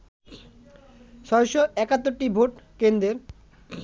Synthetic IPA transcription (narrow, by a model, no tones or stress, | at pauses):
ʃɔɾoʃoɛkat̪ːoɾʈibʱoʈkend̪ɾeɾ